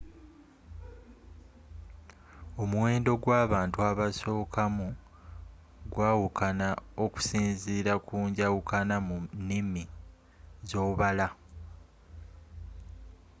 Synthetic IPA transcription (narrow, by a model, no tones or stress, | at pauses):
o̞muwe̞ːndo̞ɡwaːβaːntuaβaso̞ːkʰamu | ɡwaːwukanao̞ku̥siːnziːɾakuːɲɟawukanamunːimi | zo̞ːβala